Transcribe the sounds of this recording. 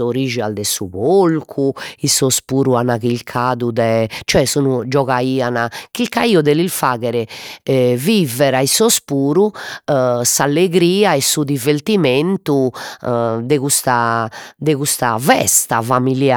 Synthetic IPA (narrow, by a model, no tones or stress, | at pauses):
oɾid͡ʒiald̪ɛsuβolkʰuisospuːɾuanaɣilkʰaːðud̪ɛt͡ʃɔɛsunud͡ʒɔɣaiːanakilkaiːɔd̪ɛlilfaːɣɛɾɛ | vivɛɾaisospuːɾu | salːeɣɾiːaɛsud̪ivert̪iment̪u | d̪ɛɣust̪ad̪ɛɣust̪a̰vɛst̪afamilja